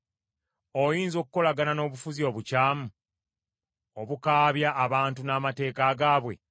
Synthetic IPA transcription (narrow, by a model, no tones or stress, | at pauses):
ojiːnzo̞kuko̞laɡanano̞ːβufuzio̞ːβucaːmu | o̞βukaːβjaʔːβaːntunaːmate̞ːkaɡaːβwe̞̰